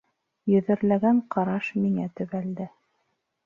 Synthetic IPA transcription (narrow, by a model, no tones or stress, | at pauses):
jɵ̆ðɘ̆ɾlæɡæɴqɑɾɑʃmiŋæt̪ɵ̆βæld̪ɘ